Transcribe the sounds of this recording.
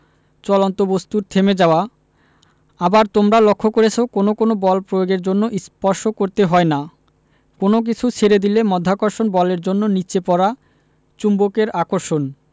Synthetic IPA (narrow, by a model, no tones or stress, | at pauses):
t͡ɕɔlont̪obost̪uɾt̪ʰemed͡ʑaoa | abaɾt̪omɾalokʰːokoɾet͡ɕʰokonokonobɔlpɾojoɡeɾd͡ʑonːoʔispɔɾʃokoɾt̪eɦɔena | konok̬it͡ɕʰut͡ɕʰeɾed̪ilemɔd̪ʱːakoɾʃonbɔleɾd͡ʑonːonit͡ɕepɔɾa | t͡ɕumbokeɾakoɾʃon